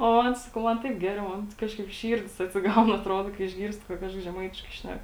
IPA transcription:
oː ˈmoːn ˈsɑːkɐʊ ˈmɐn ˈtɐɪp ˈɡʲæːrʲɛʊ ˈmoːn ˈkɑːʃkɐɪp ˈʃʲiːrʲdʲɪs ɐtʲsʲɪˈɡɐʊn ɐtˈroːdoː ɪʒʲˈɡʲiːrʲsʲtʲɪ kɐ ˈkɑːʃkɐs ʒʲɛˈmɐɪtʲɪʃkɐɪ ˈʃʲnʲæk

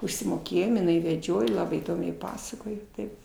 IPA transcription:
ʊʃʲsʲɪmoːˈkʲeːjoːm ɪˈnɐɪ ʋʲɛˈd͡ʒʲoːj ˈlˠɑːbɐɪ iːˈdoːmʲɛɪ ˈpɑːsɐkoːj ˈtɐɪp

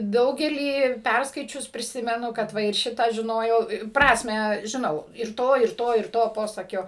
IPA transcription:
ˈdɐʊɡʲɛlʲiː ˈpʲærskɐɪt͡ʃʲʊs pʲrʲɪˈsʲɪmʲɛnʊ kɐt ʋɐ ɪr ˈʃʲɪtɑː ʒʲɪˈnoːjɛʊ ˈprɑːsʲmʲæː ʒʲɪˈnɐʊ ɪr ˈtoː ɪr ˈtoː ɪr ˈtoː ˈpoːsɐkʲoː

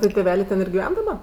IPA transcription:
ˈtɜ tʲeːˈʋʲæːlʲeː ˈtʲɛn ɪr ɡʲɪˈʋʲɛn dɐˈbɐ

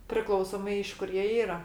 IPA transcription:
pʲrʲɪˈklˠɐʊsoːmɐɪ ɪʃ ˈkʊr jiɛ ˈiːrɐ

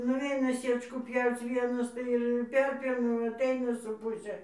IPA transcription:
nʊˈʋʲɛɪnɐ ˈsʲiɛt͡ʃkuː ˈpʲjɛʊt͡s ˈʋʲiɛnɐs ˈtɐɪ ɪr ɪr ˈpʲɛrʲpʲjɛʊnɐ ɐˈtɐɪnɐ sʊ ˈpʊsʲɛ

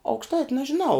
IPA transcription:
ɐʊkʃˈtɐɪtʲ nɐʒʲɪˈnɐʊ

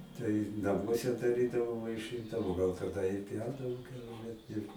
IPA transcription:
tɐɪ nɐˈmuɔsʲɛ dɐˈrʲiːdɐʋoː ʋɐɪˈʃɨndɐʋoː ɡɐlˠ tɐˈdɐ ɪ ˈpʲjɛʊdɐʋoː ˈkʲɛʊlʲɛ ɪr

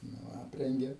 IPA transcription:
nʊ ˈɑːpʲrʲɛŋʲɡʲeː

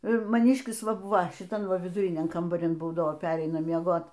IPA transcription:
mɐˈnʲɪʃʲkʲɪs ˈʋɐ ˈbʊʋɐ ʃʲɪˈtɐm ˈʋɐ ʋʲɪdʊˈrʲɪnʲɛm kɐmbɐˈrʲɪn ˈbuːdɐʋoː ˈpʲæːrʲɛɪnɐ mʲiɛˈɡoːt

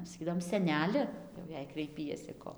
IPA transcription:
sɐˈkʲiːdɐʋoːm sʲɛˈnʲæːlʲɪ jɛʊ ˈjɛɪ krɐɪˈpʲiɛsʲɪ ˈkoː

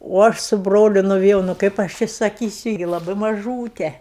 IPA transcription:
oː ˈɐʃ sʊ ˈbroːlʲʊ nʊʋʲɪˈjɛʊ nʊ ˈkɐɪp ɐʃ ˈt͡ʃʲɪ sɐˈkʲiːsʲʊ ɡʲɪ lˠɐˈbɐɪ mɐˈʒuːtʲɛ

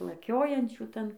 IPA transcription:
ɪr lˠɐˈkʲoːjɛnʲt͡ʃʲuː ˈtɐn

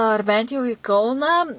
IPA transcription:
ɐr ˈbʲɛnt jɛʊ iː ˈkɐʊnɑː

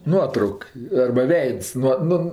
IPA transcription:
ˈnuɔtrɐʊk ɐrbɐ ˈʋʲɛɪts nuɔ ˈnʊ

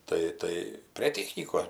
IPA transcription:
ˈtɐɪ ˈtɐɪ pʲrʲeː ˈtʲæːxʲnʲiːkoːs

